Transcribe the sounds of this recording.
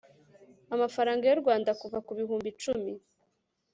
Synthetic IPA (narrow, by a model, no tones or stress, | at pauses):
amafaɾaːŋɡajoɾɡwaːndakuvakuβiɦuːmbit͡ʃumi